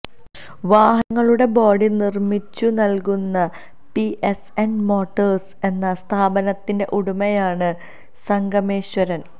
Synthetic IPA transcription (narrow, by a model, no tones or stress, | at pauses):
ʋaːɦɐŋːɐɭuɽe̞bo̞ːɽinirmit͡ɕːunɐlkunːɐ | piʔesenmo̞ːʈːɐrse̞nːɐst̪ʰaːbɐnɐt̪ːinde̞ʔuɽumɐjaːɳɨ | sɐŋɡɐme̞ːɕwɐɾɐn